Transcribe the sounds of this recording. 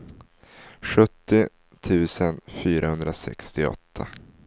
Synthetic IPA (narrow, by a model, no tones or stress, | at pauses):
ɧɵt̪ːɪ | t̪ʰʉ̟ːsənfyːɾahɵnd̪ɾasɛ̰kst̪ɪɔ̰t̪ʰːa